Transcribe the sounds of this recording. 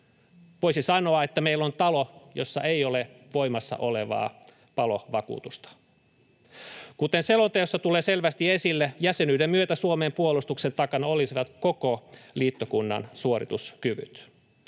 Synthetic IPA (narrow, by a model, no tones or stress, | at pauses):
ʋoisisɑno̞ɑet̪ːæmeilːont̪ɑlojo̞sːɑ̰ʔeioleʋo̞imɑsːɑ̰ʔoleʋɑ̰ː | pɑloʋɑkṵːt̪ust̪ɑ̥ | kut̪enselont̪ejosːɑt̪uleːselʋæst̪iesilːejæsenyːdemmyøt̪æsuomeːmpuolust̪uksent̪ɑkɑnɑolisiʋɑt̪kokoliːt̪ːokunːɑ̰nsuoɾḭt̪uskyʋy̰t̪